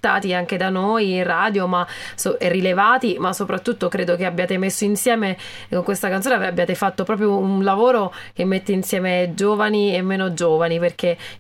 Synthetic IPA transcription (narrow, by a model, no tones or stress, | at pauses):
t̪a̰ːt̪iaŋk̟ed̪anojiraːd̪jomasorːilevaːt̪imasːopɾat̪ːut̪ːokɾeːd̪okeabːjaːt̪emesːoinsjɛːme | koŋkwest̪akant̪ːonaabːjaːt̪efat̪ːopɾɔːp̬ɾjounlavoːɾok̟emːet̪ːeinsjɛːmed͡ʒoːvaniemːeːnod͡ʒoːvaniperk̟e